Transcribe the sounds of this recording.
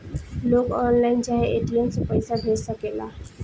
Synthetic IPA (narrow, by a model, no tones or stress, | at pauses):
loːɡɔːnlaːɪnt͡ʃaːɦeʔeːʈijənsepəɪsabʱeːd͡ʒsəkeːla̰ː